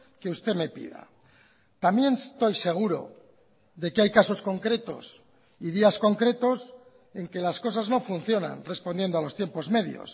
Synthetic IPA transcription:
keust̪eme̞pḭða̰ | t̪amje̞nt̪o̞jse̞ɣ̞uɾo̞̰ | ðe̞keajkaso̞sko̞ŋkɾe̞t̪o̞̰s | iðiasko̞ŋkɾe̞t̪o̞s | e̞ŋke̞lasko̞sazno̞funθjo̞na̰nre̞spo̞nd̪je̞nd̪oalo̞st̪je̞mpo̞zme̞ðjo̰s

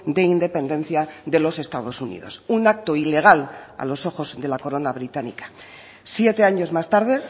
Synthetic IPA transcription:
d̪e̞ind̪e̞pe̞nd̪e̞n̟θjaðe̞lo̞se̞st̪að̞o̞sunḭð̞o̞̰sunak̚t̪o̞ile̞ɣ̞ala̰lo̞so̞xo̞zðe̞lako̞ɾo̞naβ̞ɾit̪anḭkḁ | sje̞t̪e̞aɲo̞zmast̪aɾðe̞

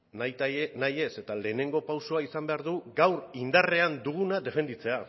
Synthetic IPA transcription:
najtnaje̞se̞t̪ale̞ːne̞ŋɡo̞pawso̞aisambe̞aɾðuɡawɾind̪are̞and̪uɣ̞unaðe̞fe̞nd̪it͡se̞a

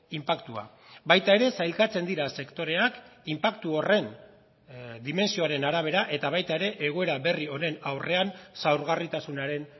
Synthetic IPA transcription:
impakt̪ua̰ | bajt̪ae̞ɾe̞sajlkat͡se̞nd̪iɾase̞kt̪o̞ɾe̞akimpakt̪uo̞re̞n | d̪ime̞nsio̞aɾe̞naɾaβ̞e̞ɾaʔe̞t̪aβ̞ajt̪aeɾe̞ʔeɣ̞o̞e̞ɾaβe̞rio̞ne̞nawre̞ansawɾɣarit̪asunaɾe̞n

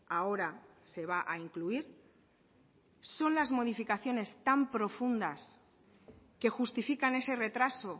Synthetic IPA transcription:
ao̞ɾase̞β̞aʔaiŋkluiɾ | so̞nlazmo̞ð̞ifikaθjo̞ne̞st̪ampɾo̞fund̪as | ke̞xust̪ifikane̞se̞re̞t̪ɾaso̞

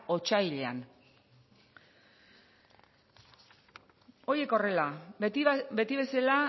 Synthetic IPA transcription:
o̞t͡ʃajʎea̰n | o̞ɾje̞ko̞re̞la | be̞t̪iβe̞sala

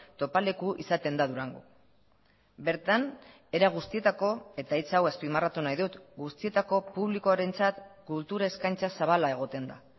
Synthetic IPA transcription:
t̪o̞pale̞kuʔḭsat̪e̞nd̪aðuɾaŋɡu | be̞ɾt̪an | e̞ɾaɣ̞ust̪ie̞t̪ako̞e̞t̪ait͡sawespimarat̪unajðut̪ɡust̪ie̞t̪ako̞puβliko̞aɾe̞nt͡sat̪kult̪uɾaeskajnt͡sasaβ̞alae̞ɣ̞o̞t̪e̞nd̪a

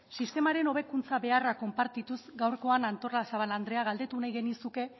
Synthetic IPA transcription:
sist̪e̞maɾe̞no̞β̞e̞kunt͡saβe̞arako̞mpaɾt̪it̪usɡawɾko̞anant̪o̞rlasaβaland̪ɾe̞aɣ̞ald̪e̞t̪unajɣe̞nisuke̞

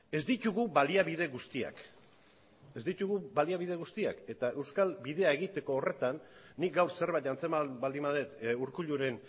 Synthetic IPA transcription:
e̞zd̪it̪uɣubaliaβið̞e̞ɣust̪ia̰k | e̞zd̪it̪uɣubaliaβið̞e̞ɣust̪iake̞t̪ae̞wskalβiðe̞ae̞ɣit̪e̞ko̞ːre̞t̪anːik̚ɡawɾse̞ɾβajt̪ant͡semabald̪imaðet̪uɾkuʎuɾe̞n

